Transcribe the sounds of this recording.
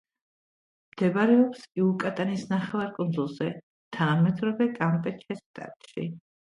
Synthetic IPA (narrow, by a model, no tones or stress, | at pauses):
md̪̥ɛbaɾɛɔpsiukʼat̪ʼanisnaχɛvaɾkʼund̪zulˠzɛ | t̪ʰanamɛd̪ɾɔvɛkʼampʼɛt͡ʃʰɛst̪ʼa̰ɾt̪ʼʃḭ